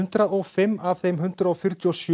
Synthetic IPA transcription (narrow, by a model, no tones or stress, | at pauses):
nt̪ɾaðɔɣfɪmːav̥θejmɦʏn̥t̪ɾaɔfjʏɾ̥t̪jɔsj